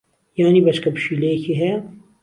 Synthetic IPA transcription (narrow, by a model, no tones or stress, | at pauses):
jaːnibɐt͡ʃkɐpʃilekʰiɦɛ